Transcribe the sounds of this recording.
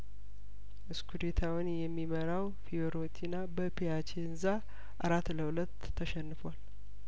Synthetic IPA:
ʔɨskʰud̪et̪ʰawʊnjɛmːiməɾaw | fioɾot̪ʰinabəpʰeat͡ʃʰeɨnza | ʔa̰ɾat̪ːləhulət̪ːəʃɛnːɨfwal

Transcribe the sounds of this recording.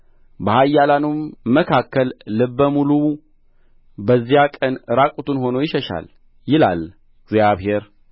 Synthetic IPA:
bəhajːalanummːəkʰakːəlːɨbːəmulu | bəzːijakʼənɨɾakʼut̪ʰunho̞no̞jɪʃəʃa̰l | jɪla̰l | ɡzjaβheɾ

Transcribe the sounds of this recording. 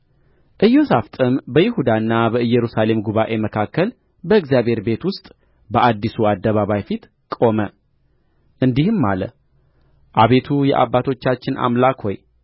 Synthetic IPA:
ʔɨjːo̞saft̪ʼɨmbəjɪhud̪anːabəɨjːɛɾusale̞mɡuβaʔe̞məkʰakːəl | bəɨɡzjaβhe̞ɾbe̞t̪wʊst̪ʼ | bəʔad̪ːisuad̪ːəβaβajfit̪ | kʼo̞mə | ʔɨnd̪ihɨmːa̰lə̰ | ʔaβe̞t̪ʰujɛ̰ʔa̰bːat̪ʰo̞t͡ʃːat͡ʃːɪnʔa̰mlakho̞j

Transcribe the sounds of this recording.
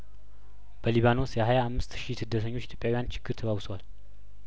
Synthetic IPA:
b̥əliβano̞sjɛhajaːmːɨst̪ʃisɨd̪ːət̪ʰəɲːot͡ʃːɪt̪ʰjopʼjawjant͡ʃʰɪɡ̥ːɨɾt̪ʰəβawsəwal

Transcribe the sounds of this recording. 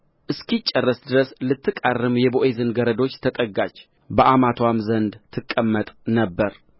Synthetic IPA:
ʔɨskit͡ʃʼːərːəsd̪ɨɾəslɨt̪ːɨkʼarːɨmjɛboʔezɨnɡəɾəd̪o̞t͡ʃːt̪ʰət̪ʼəɡat͡ʃː | bəʔamat̪ʰwamzənd̪t̪ʰɨkʼːəmːət̪ʼnəbːəɾ

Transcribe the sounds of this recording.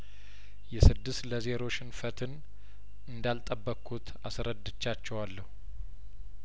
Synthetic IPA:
jɛsɨd̪ːɨst̪ləze̞ɾo̞ʃɪnfət̪ʰɨn | ɨnd̪alt̪ʼəbːəkʰːut̪ʰasɾəd̪ːɨt͡ʃːat͡ʃːɛwalːəhu

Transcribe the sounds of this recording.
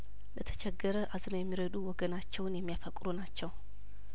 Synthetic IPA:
lət̪ʰə̥t͡ʃʰɛɡːəɾəʔaznojɛmːiɾəd̪uwɔɡənat͡ʃːɛwnjɛmːijafəkʼɾunat͡ʃːɛw

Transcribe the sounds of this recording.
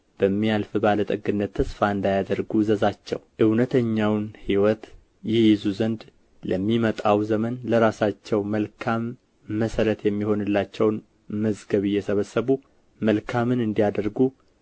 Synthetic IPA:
b̥əmːialfɨbalət̪ʼəɡɨnːət̪ʰːəsfaɨnd̪ajad̪əɾɡuzəzat͡ʃːɛ̰wʔɨwnət̪ʰəɲːawnhiwɔt̪ | jɛjɪzuzənd̪ | ləmːimət̪ʼawzəmənləɾasat͡ʃːɛwməlkʰamː | əsəɾət̪jɛmːiho̞nɨlːat͡ʃːɛwn | məzɡəβɨjːɛsəβəsːəβu | məlkʰamɨnɨnd̪ijad̪əɾɡu

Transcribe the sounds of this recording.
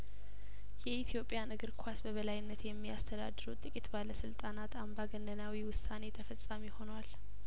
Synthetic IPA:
jɛit̪ʰjo̞pʼjanɨɡɨɾkʰʷasbəβəlajɪnːət̪jɛmːijast̪ʰəd̪a̰d̪ːɨɾut̪ʼɨkʼit̪baləsɨlt̪ʼanat̪ʰambaɡənːənawiwʊsane̞t̪ʰəfəsʼːamiho̞nwal

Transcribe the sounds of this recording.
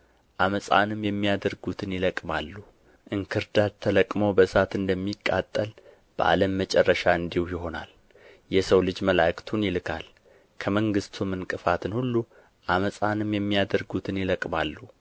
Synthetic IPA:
ʔaməsʼa̰nɨmjɛmːijad̪əɾɡut̪ʰɨnjɪləkʼmalːu | ʔɨŋkʰɨɾd̪at̪t̪ʰːələkʼmowbəsat̪ɨnd̪əmːikʼːa̰t̪ʼːəl | b̥əʔa̰ləmːət͡ʃʼɛrːəʃaɨnd̪ihjɪɦo̞na̰l | jɛsəwlɨd͡ʒməlakʰt̪ʰunjɪlɨkʰa̰l | kʰəməŋɡɨst̪ʰumɨnkʼɨfat̪ʰɨnhulːu | ʔaməsʼanɨmjɛmːijad̪əɾɡut̪ʰɨnjɪləkʼmalːu

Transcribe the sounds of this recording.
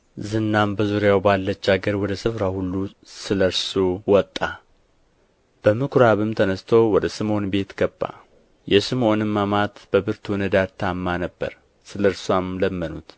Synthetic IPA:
zɨnːambəzuɾjawbalːət͡ʃːaɡəɾwɔd̪əsɨfɾahulːu | sɨləɾsuwɔt̪ʼːa | b̥əmɨkʰɾaβɨmt̪ʰənəst̪ʰowɔd̪əsɨmo̞nbe̞t̪ɡ̥əbːa̰ | jɛsɨmonɨmːamat̪b̥əbɨɾt̪ʰunəd̪aɾt̪ʰamːanəbːə̰ɾ | sɨləɾswamləmːənut̪

